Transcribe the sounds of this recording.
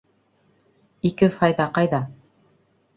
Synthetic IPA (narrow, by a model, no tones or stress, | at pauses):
ikɘfɑjðɑqɑjðɑ